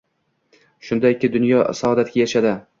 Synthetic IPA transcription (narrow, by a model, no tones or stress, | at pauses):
ʃʊnd̪aɪkʲʰːɪd̪ʊnjɒsaɒd̪at̪̚kʲajaʃad̪ɪ